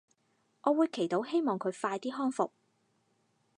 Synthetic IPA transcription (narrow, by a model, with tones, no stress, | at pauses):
ʔɔː˨˧wuː˨˧jkʰe˨˩jt̪o˨˥wɦe˥jmɔː˨ŋkʰɵ˨˧ɥfaː˧jt̪iː˥ɦɔː˥ŋfʊ˨k̚